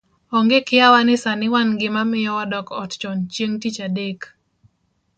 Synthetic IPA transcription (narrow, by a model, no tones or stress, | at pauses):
ɔŋɡɪkɪjawanɪsanɪwanɡɪmamɪjɔwadɔkɔtt͡ʃɔnt͡ʃjeŋtit͡ʃadek